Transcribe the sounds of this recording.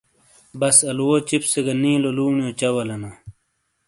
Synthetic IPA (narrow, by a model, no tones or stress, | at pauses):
bɐsɐlwoːt͡ɕipseɡɐnĩːloluːɳijot͡ɕɐwɐlɐna